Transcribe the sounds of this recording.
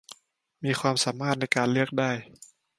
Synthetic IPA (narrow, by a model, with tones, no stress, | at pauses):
miː˧xʰwaː˧msaː˩˦maː˥˩t̪̚na˧jkaː˧nlɯ˥˩ək̚daː˥˩j